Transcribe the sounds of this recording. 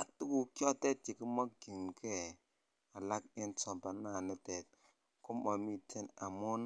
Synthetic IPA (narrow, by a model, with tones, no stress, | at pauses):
a˨tu˦ku˨kɔ˦te˦t̚t͡ʃi˨ki˦ma˦ɡi˨mkʰɛ˦˨ | a˨la˦ki˦ntɔ˨mba˨˦a˨ni˦tɛ˨t̚ | ku˦ma˨mi˦tʰe˦na˨mo˦n